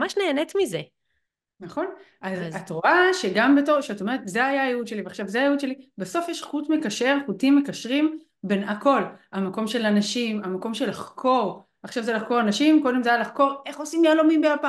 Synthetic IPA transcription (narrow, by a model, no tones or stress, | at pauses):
maʃneːnetmize | naχo̞nʔazatoʁaʃeɡambetoʁʃeato̞me̞ʁetzeajaːjeud̪ʃe̞liveaχʃavzeajeud̪ʃe̞libeso̞fjeʃχutme̞kaʃe̞ʁχutimːekaʃʁim | be̞nako̞lamako̞mʃe̞lanaʃimamako̞mʃe̞laχkʰo̞ʁ | aχʃavzelaχko̞ʁanaʃimko̞de̞mzeajalaχko̞ʁe̞χo̞simjalomimbeapa